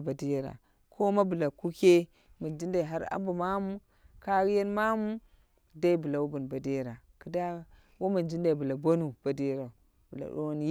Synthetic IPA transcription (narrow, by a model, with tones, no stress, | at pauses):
ba˨di˦ɾa̰˨ | kʰo˦ma˦bu˨la˨ku˦ke˦ | mu˨nd͡ʒi˦nda˨i˨ɦa˦ɾa̰˦mbu˨ma˦mu˦ | ka˦ɡi˦je˦nma˦mu˦ | da˦i˦bu˨la˨wu˦bu˨nba˨de˦˨ɾa˨kə˨da˦ | wo˦mu˨nd͡ʒi˦nda˨i˨bu˨la˨bo˦nu˨b̥a˨de˦ɾa˨ | bu˨la̰˨ɗo̰˦wn˦j